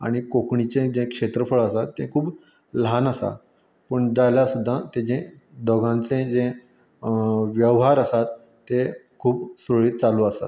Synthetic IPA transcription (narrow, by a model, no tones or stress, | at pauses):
a̰ɽ̃ikokɳit͡sẽd͡zẽkʂet̪ɾəfəɭəsat̪ːẽkʰuːp | lanəsa̰ | pəɳd͡zaljasud̪ʱːat̪ẽd͡zẽ | d̪ɔɡãnt͡sẽd͡zẽ | ʋjəʋɦaɾəsat̪ː | e | kʰuːpsoɭiːt̪̚t͡saluəsa̰t̪